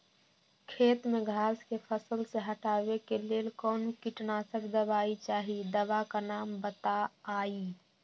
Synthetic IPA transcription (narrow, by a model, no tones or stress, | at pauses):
kʰeːt̪mẽɡʱaːskepʰəsəlseɦəʈaːbekeleːlkɔːnukiʈnasəkʰd̪əbaːit͡ʃaːɦid̪əbakanaːmbət̪aːi